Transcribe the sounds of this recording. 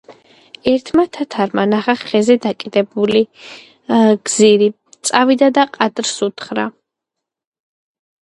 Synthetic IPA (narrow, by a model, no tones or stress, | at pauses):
ɛɾt̪ʰmat̪ʰat̪ʰaɾmanaχaχɛzɛd̪akʼid̪ɛbuli | ɡ̥ziɾi | t̪sʼavid̪ad̪aqʼad̪ɾsut̪ʰχɾa